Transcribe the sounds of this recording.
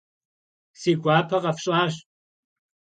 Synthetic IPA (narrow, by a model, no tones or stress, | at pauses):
siːɡʷaːpʰɐqɐfɕʼaːɕ